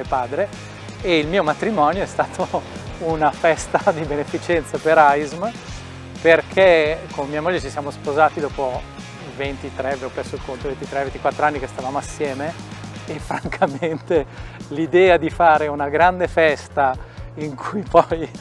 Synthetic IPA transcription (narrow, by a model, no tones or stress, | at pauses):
epaːd̪ɾe | eilmiːomat̪ɾimɔnjoɛst̪aːt̪ʰounafɛst̪ad̪ibenefit͡ʃɛnt̪sapeɾajzm | perkʰekʰomemiːamoʎːet͡ʃisjaːmospozaːt̪id̪ɔːpo | vent̪it̪ɾɛvopːɾɛsːoilkont̪ovent̪it̪ɾɛvent̪ikwat̪ːɾoanːikest̪avaːmoasːjɛːmeː | fːɾaŋkʰament̪elid̪ɛːad̪ifaːɾeunaɡɾand̪efɛst̪aiŋkʰujpɔj